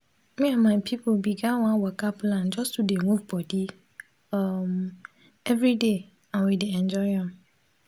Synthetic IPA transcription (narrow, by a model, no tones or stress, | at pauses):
mɪ̃amãpʰipʰolbiɡãwɔ̃awɔkʰapʰlãnd͡ʒɔsudemũvbɔdi | m | ɛvɾide | ãwideɛ̃nd͡ʒɔɪãm